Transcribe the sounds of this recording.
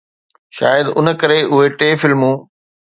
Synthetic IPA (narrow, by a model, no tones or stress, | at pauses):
ʃaːjəd̪ʊnəkɐɾeʊɦeʈeːfɪlmũː